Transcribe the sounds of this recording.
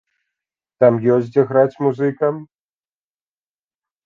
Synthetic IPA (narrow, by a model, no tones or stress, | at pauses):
t̪amjɔsʲd͡zʲɐɣɾat͡sʲmuzɨkɐm